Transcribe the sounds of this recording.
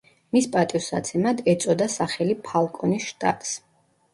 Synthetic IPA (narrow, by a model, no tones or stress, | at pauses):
mispʼat̪ʼiɔsa̰t̪sʰɛmad̪ɛt̪sʼɔd̪asaχɛlipʰalˠkʼɔnisʃt̪ʼa̰t̪ʼs